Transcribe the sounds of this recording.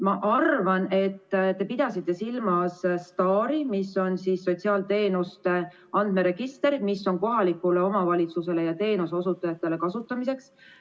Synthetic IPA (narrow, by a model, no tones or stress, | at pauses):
mɑʔɑrvɑne̞t̪ːt̪e̞pid̪̥ɑsit̪ˑːe̞silmɑsst̪ɑːɾimiso̞nsiːsːo̞tʲsiɑːlt̪e̞ːnust̪e | ɑnd̪̥̚me̞ɾe̞ɡ̥ist̪e̞ɾmisːo̞nko̞ɦɑlikːˑule̞o̞mɑvɑlʲit̪suse̞le̞jɑt̪e̞ːnusosut̪ːˑɑjɑt̪ːˑe̞le̞kɑsut̪ːˑɑmise̞ks